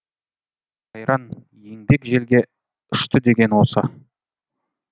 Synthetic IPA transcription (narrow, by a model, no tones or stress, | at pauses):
qʰɑjɾɑn | je̞ŋbe̞kʒe̞lɡʲe̞ | ʏʃt̪ɪd̪e̞ɡʲe̞nwosɑ̰